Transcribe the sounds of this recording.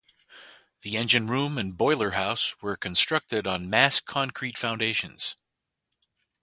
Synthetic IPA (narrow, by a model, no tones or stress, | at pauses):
ðiɛ̃nd͡ʒɨ̃nɹũmɨ̃nbɔɪlˠə˞haʊswə˞kʰɨ̃nstɹ̥ʌk̚tɨɾn̩mæskʰɑ̃nkʰɹ̥itfãʊ̃ndeɪʃɨ̰̃nz̥